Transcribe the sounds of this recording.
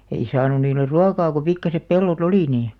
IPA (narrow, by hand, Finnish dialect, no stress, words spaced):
ei sɑːnun̆ niːler̆ ruɑkɑː ko pikːɑsep pelːot oliˑ niː